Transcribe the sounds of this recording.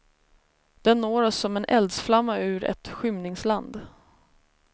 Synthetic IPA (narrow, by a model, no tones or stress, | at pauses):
d̪̥ɛnːoːɾɔsːɔmɛnʔɛ̰ld̪sflamːaʉ̟ːɾɛ̰t̪ɧʏmnɪŋsland̪